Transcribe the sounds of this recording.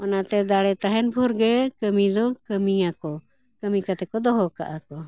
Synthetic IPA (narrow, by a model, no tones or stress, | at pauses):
ɔnat̪ɛd̪aɽɛt̪aɦɛnpʰuɾɡɛkəmid̪ɔkəmiakɔ | kəmikat̪ɛkɔd̪ɔɦɔka̰ʔakɔ